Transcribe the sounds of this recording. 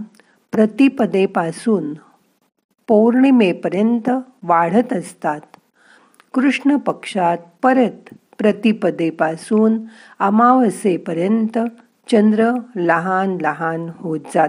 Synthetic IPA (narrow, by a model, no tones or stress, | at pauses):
pɾət̪ipəd̪epasuːn | poɾɳimepəɾjənt̪əʋaɽ̤ət̪əst̪at̪ | kɾuʂɳəpəkʂat̪̚pəɾət̪ | pɾət̪ipəd̪epasuːn | əmaʋəsepəɾjənt̪ə | t͡ɕənd̪ɾələɦanləɦanhot̪̚d͡zat̪